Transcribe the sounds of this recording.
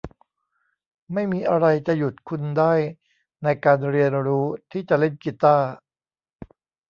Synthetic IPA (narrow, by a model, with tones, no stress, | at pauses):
ma˥˩jmiː˧ʔa˧ɾa˧jt͡ɕa˨˩ju˨˩t̪̚kʰu˧ndaː˥˩j | na˧jkaː˧nɾi˧ənɾuː˦˥t̪ʰiː˥˩t͡ɕa˨˩le˥˩nki˨˧˩t̪aː˥˩